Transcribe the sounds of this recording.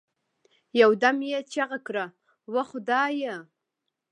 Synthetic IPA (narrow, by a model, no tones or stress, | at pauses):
jawdamjat͡ʃʰaʁakʰra | waχʊdaːjə